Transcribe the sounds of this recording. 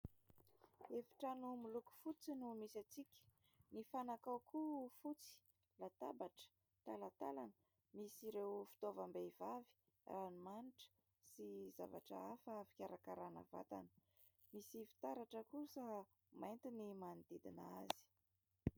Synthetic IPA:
efi̥ʈ͡ʂanumuluku̥fut͡sinumisat͡sikʲə̥ | nifanakawkufut͡si̥ | lat̪abaʈ͡ʂə̥ | t̪alat̪a̰lanə̥ | misiɾewfi̥t̪ovəmbevavi̥ | ranimaniʈ͡ʂə̥ | siza̰va̰ʈ͡ʂə̰afəfi̥kʲaɾakaɾanə̰va̰t̪a̰nə̥ | misifi̥t̪aɾaʈ͡ʂəkusə | majnt̪inimand̪id̪inaa̰zi̥

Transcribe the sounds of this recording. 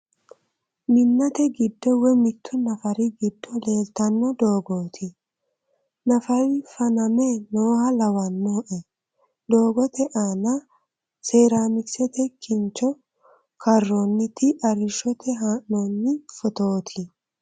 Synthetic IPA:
mɪnːɐt̪ɛɡɪd̪ːɔwɛmɪt̪ʰːʊnɐfɐɾɪɡɪd̪ːɔle̞ːlt̪ɐnːɔd̪oːɡoːt̪ʰɪ | nɐfɐɾɪfɐnɐmenoːhɐlɐwɐnːoʔɛ | d̪o̞ːɡɔt̪ɛʔaːnɐ | seːɾaːmɪksɛt̪ɛkɪnt͡ʃːɔ | kʰɐrːoːnːɪt̪ʰɪʔɐɾɪʃɔt̪ʰɛɦaːnnoːnːɪfɔt̪oːt̪ʰɪ

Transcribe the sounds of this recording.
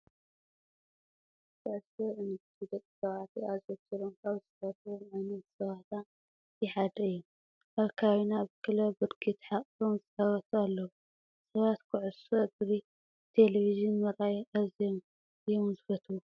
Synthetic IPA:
kʰɨʕʊsoʕɨnɐt̪ʰid̪ɐt̪ʼsɐβaʕt̪ʰiazot̪ʰiɾomkaβzɨsɐt̪ʰomʕajnɐt̪sɐβaʕt̪ʰa | jɛħad̪ɐɨjːu | ʔaβkʰawinaβkʰɨlɐbɨɾkʰit̪ħaχʼfomzɨsɐβɐt̪ʰualːɐwu | sɐβat̪kʰɨʕʊsod̪ɾi | t̪ʰeleβizɨnmɐɾajʔazjom | jɛmɐzfɐt̪ʰu

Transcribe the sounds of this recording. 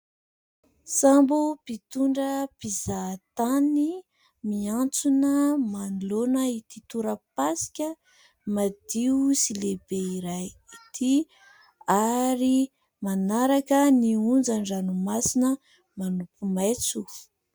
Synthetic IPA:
sambupit̪uɳɖ͡ʐəpizat̪ani | miant͡sunəmanlonəit̪it̪uɾəpasi̥kʲə | mad̪iusilebeiɾaj | it̪ʰi | aɾi | manaɾakəniund͡zaɳɖ͡ʐanumasinə | manupumajt͡su

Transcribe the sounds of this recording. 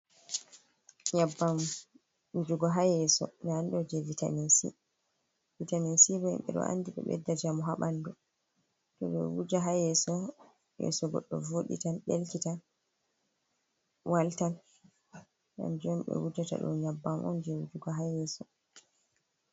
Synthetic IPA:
ɲabːam | wud͡ʒuɡɔɦajɛsɔnandɔd͡ʒɛvita̰mesḭ | vitamensibɔɛmɓɛɗɔ̰a̰nːdiɓɛ̰ɓɛ̰dːad͡ʒamɔɦaɓandɔ | tɔɓɛ̰wud͡ʒaɦajɛsɔ | jɛ̰sɔɡɔ̰ɗːɔvoɗḭtanɓelkita | waltan | ɡa̰nd͡ʒɔmɓɛ̰wud͡ʒata̰ɗɔ̰nɲabːamʔɔ̰nd͡ʒɛwud͡ʒuɡɔɦajɛsɔ

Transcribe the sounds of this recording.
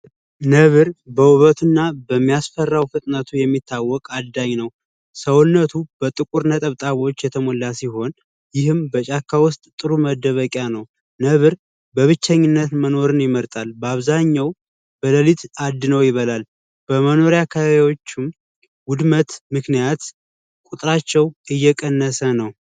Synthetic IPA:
nəβɨɾbəwuβət̪ʰɨnːabəmːijasfərːawfɨt̪ʼnət̪ʰujɛmːit̪ʰːawːɔkʼad̪ːaɲːnəw | səwnːət̪ʰub̥ət̪ʼɨkʼuɾnət̪ʼəβt̪ʼaβo̞t͡ʃːjɛt̪ʰəmolːasiɦo̞n | jɪhɨmbət͡ʃʼakʰːawʊst̪ʼt̪ʼɨɾuməd̪ːəβəkʼjanəw | nəβɨɾ | bəβɨt͡ʃːəɲːɪnːət̪məno̞ɾɨnjɪməɾt̪ʼalbəaβzaɲːaw | b̥ələlit̪ʰad̪ːnəwjɪβəlal | b̥əməno̞ɾjakʰəβiwo̞t͡ʃːɪm | ɡʊd̪mət̪mɨknijat̪ | kʼut̪ʼɾat͡ʃːɛwɨjːɛkʼənːəsənəw

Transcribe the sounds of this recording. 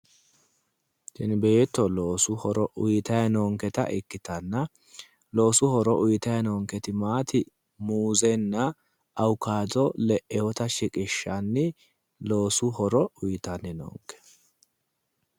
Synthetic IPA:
ʃɪnbe̞ːt̪ːɔlo̞ːsʊhɔɾɔʔʊjɪt̪ɐjɐnoːŋkɛt̪ɐ̰ʔɪkːɪt̪ɐnːɐ | lo̞ːsʊhɔɾɔʔʊjɪt̪ɐjɐnɔːŋkɛt̪ɪmaːt̪ɪ | muːzɛnːɐ | ʔɐwkːaːdɔlɛʔɛwɔt̪ɐʃɪkʼɪʃːɐnːɪ | lo̞ːsʊhɔɾɔʊjt̪ɐnːɛno̰ːŋkːɛ̥

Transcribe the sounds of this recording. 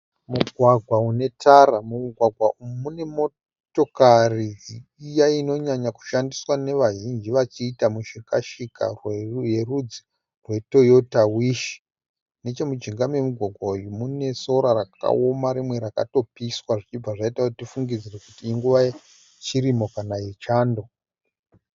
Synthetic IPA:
muɡʱwaɡʱwaune̞tʰaramumuɡʱwaɡʱwaʔumune̞mo̞ | to̞kariiːjaino̞ɲaɲaku̥ʃandiswane̞ʋaʒind͡ʒiʋat͡ʃiːtamuʃika̰ʃika̰rwje̞rud͡zi | rwe̞to̞jo̞tawiʃi̥ | ne̞t͡ʃe̞mud͡ʒiŋɡamwemuɡʱwaɡʱwaujumune̞so̞ɾarak̚a̰omaɾimwe̞ɾaka̰to̞piswaʐit͡ʃib͡vaʐaitakutifuŋɡid͡zirekutiːŋɡuʋa | t͡ʃiɾimo̞kanajet͡ʃaːndo̞

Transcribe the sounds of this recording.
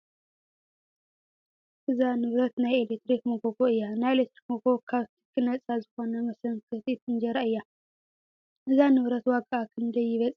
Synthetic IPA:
ʔɨzanɨβɾɐt̪najelek̚t̪ɾikmɐɡoɡoɨjːanajelet̪ɾik̚moɡokʰaβt̪ʰi̥kʰːɨnɐt͡sʼazɨxo̞nɐmɨsɨnkʰɨt̪ʼit̪ɨnd͡ʒɐɾaʔɨjːa | ʔɨzanɨβɾɐt̪wakʼːaakʰɨnd̪ɐjːɪβɐt͡sʼ

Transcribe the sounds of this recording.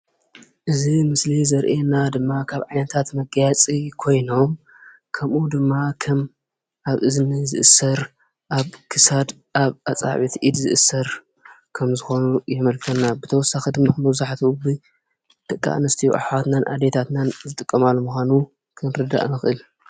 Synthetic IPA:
ʔɨzimɨslizɐɾʔenad̪ɨmːakʰaβʕajnɐt̪ʰat̪mɐɡɐjat͡sʼikʰo̞jno̞m | kʰɐmʔud̪ɨmːakʰɐm | ʔaβʔɨzɨnɨzɨ̰ʔɨsɐɾ | ʔaβkʰɨsad̪ | ʔaβʔat͡sʼa̰ʕβit̪ʔid̪zɨʔɨsːɐɾ | kʰɐmzɨxo̞nujɛmɐlkʰɐnːabɨt̪ʰɐwɔsːaxid̪ɨmːamɐβzaħt̪ʰiubi | d̪̥ɐkʼːa̰ʔnɐst̪ʰijṵʔa̰ħwat̪nanʔa̰d̪et̪ʰat̪nanzɨt̪ʼɨkʼːɐmalːumuxʷanu | kʰɨnɾɨd̪a̰ʔnɨxʔɨl

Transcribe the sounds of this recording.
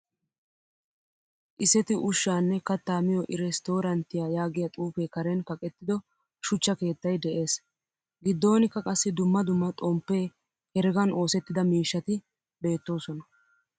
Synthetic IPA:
ʔɪsɛt̪ɪʔʊʃːaːnːɛkɐt̪ːaːmɪjɔʔɪɾɛst̪o̞ːɾɐnt̪ːɪjajaːɡɪjɐt̪ʼuːfeːkɐɾɛnkɐkʼɛt̪ːɪd̪ɔ | ʃʊt͡ʃːɐke̞ːt̪ːɐjd̪ɛʔe̞ːs | ɡɪd̪ːo̞ːnɪkːɐkʼɐsːɪd̪ʊmːɐd̪ʊmːɐt̪ʼɔmpːe̞ː | hɛɾɡɐno̞ːsɛt̪ːɪd̪ɐmiːʃːɐt̪ɪ | be̞ːt̪ːo̞ːsɔnɐ

